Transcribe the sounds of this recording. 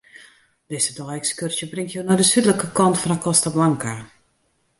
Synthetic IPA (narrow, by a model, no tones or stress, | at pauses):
dɪsədɔjɛkskørsjəbrɪŋtjoːnɔdəsydləkəkɔntfɔnakʰɔstablaŋka